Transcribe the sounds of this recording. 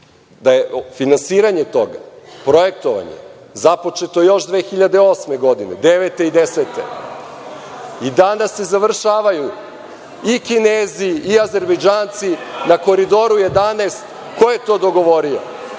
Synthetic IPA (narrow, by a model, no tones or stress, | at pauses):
d̪ajefinansiːɾaɲet̪o̞ɡa̰pɾo̞je̞k̚t̪oʋa̰ɲḛ | zapo̞t͡ʃet̪ojo̞ʃd̪ʋeːxiʎad̪eo̞sme̞ɡo̞d̪inḛd̪eʋet̪e̞id̪eset̪ḛ | id̪anase̞zaʋr̩ʃaːʋaju | ikineːziːaze̞ɾbejd͡ʒaːnt̪sinako̞ɾid̪o̞ɾuje̞d̪aneːst̪ | ko̞jet̪od̪o̞ɡo̞ʋo̞ɾio̰